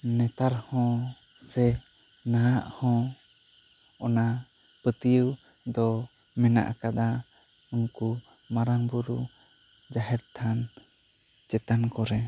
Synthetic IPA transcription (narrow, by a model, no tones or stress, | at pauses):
nɛt̪aɾhɔ̃sɛnaaʔhɔ̃ | ɔnapət̪ijəwd̪ɔmɛna̰ʔkad̪aunkumaɾanbuɾu | d͡ʒaɦɛɾt̪ʰan | t͡ʃɛt̪ankɔɾɛ